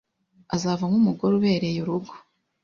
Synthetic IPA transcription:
azavamhumuɡo̞ɾuβe̞ɾe̞juɾuɡo̥

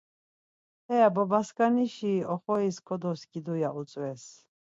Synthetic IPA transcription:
hɛabɔbaskʼaniʃiɔχɔiskʰɔd̪ɔsɡid̪ujaʔut͡s̪ʼwɛs

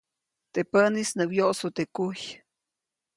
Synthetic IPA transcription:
t̪epənisnɨwjoʔsut̪ekuj

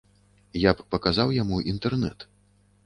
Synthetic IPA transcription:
japːɐkazawjamuʔint̪ɛrnɛ̰t̪

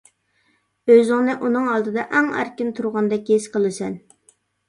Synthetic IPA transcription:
øzɪŋnɪʔunɨŋɑlˠd̪ɨd̪ɑʔæŋæ̰ɾkʲɪnt̪ʰuɾʁɑnd̪ɛk̚ʲeʃqʰəlˠɨsɛn

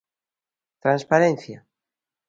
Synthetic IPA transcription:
t̪ɾãnspaɾẽnθja

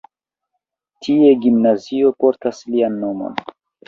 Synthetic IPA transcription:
tʰieɡimnazio̞po̞ɾtaslianːo̞mo̞̰n

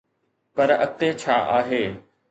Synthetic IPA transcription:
pɐɾɐ̰t̪et͡ɕʰaːʔaːɦeː

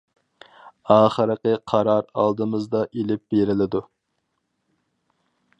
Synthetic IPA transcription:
ɑːχəɾəqəqʰɑɾɑɾɑ̰lˠd̪ɨmɨzd̪ɑʔelɪp̚b̥eɾɪlɪd̪u

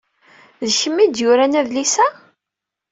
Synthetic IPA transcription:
ðçəmːid̪jʊɾænæðlisæ

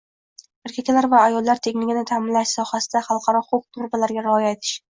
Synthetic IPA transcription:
eɾkʲʰakʲʰlaɾvaːjɒlˠːaɾt̪ʰeɡʲnɪɡʲanɪt̪ʰamɪnlaʃsɒhasɪd̪aχɑlˠqʰɑɾɒqʰoq̚t̪ʰʊɾbalaɾɡʲaɾɪɒjaet̪ʰɪ̥ʃ

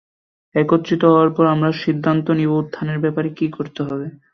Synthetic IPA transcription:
ɛkot̪ːɾit̪oɦɔoaɾpɔɾamɾaʃid̪ʱːant̪onibout̪ʰːaneɾbɛpaɾekikoɾt̪eɦɔbe

